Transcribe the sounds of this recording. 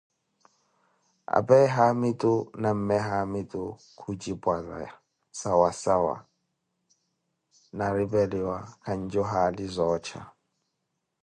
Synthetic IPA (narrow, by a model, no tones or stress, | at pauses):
a̰pʼɛɦamitʼunam̩mɛɦamitʼu | kʰud͡ʒibʼwaza̰ | sawasawa̰ | naɾibɛliwakʰan̩d͡ʒɔɦalizɔːt͡ʃʰa̰